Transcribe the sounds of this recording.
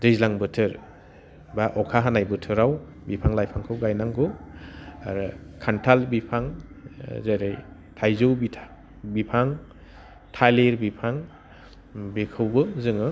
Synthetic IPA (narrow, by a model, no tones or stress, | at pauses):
dɯjzlaŋbɯtʰɯɾ | baʔɔkʰaɦanajbɯtʰɯɾaw | bipʰaŋlajpʰaŋkʰɯwɡajnaŋɡɯ | a̰ɾɯkʰantʰalbipʰaŋ | zaɾɯj | tʰajzɯwbitʰ | bipʰaŋ | tʰaliɾbipʰaŋ | bekʰɯwbɯzɯŋɯ